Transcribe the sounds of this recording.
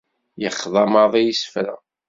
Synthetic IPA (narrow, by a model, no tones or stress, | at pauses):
jəχðˤɑmɑðˤijisfɾæ̰